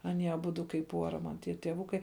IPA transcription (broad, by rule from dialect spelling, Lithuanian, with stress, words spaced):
ɐˈnʲiɛ ɐˈbʊdʊ kɐɪp ˈpuɔrɐ mɐn ˈtʲiɛ tʲiɛˈʋʊkɐɪ